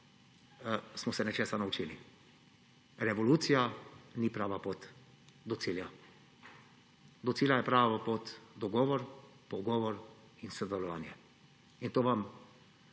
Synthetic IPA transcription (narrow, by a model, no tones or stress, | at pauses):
smɔsɛnɛt͡ʃeːsanaut͡ʃiːli | ɾɛʋɔluːt̪sijanipɾaːʋapoːt̪ | d̪ɔt̪silja | d̪ɔt̪siːljajɛpɾaːʋaʋapoːt̪d̪ɔɡɔːʋɔɾpɔɡɔːʋɔɾ | insɔd̪ɛlɔʋaːnjɛ | int̪oːʋam